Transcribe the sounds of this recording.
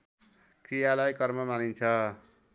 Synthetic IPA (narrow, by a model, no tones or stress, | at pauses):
krijalajkʌrmʌmanint͡sʰʌ